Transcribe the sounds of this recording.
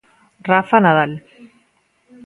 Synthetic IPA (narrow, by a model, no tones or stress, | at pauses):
rafanaðal